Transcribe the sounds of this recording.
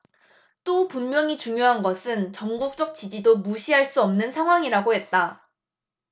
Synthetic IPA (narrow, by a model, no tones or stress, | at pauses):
t͈opummjʌŋit͡ɕuŋjoɦanɡʌsʰɯnt͡ɕʌŋɡuk̚t͡ɕ͈ʌk̚t͡ɕid͡ʑidomuɕʰiɦaɭs͈uʌmnɯnsʰaŋɦwaŋiɾaɡoɦe̞t̚t͈a